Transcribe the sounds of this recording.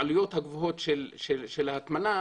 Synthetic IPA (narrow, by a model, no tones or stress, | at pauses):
alujo̞t̪haɡvuɦo̞t̪ʃelʃeʃelaːt̪mana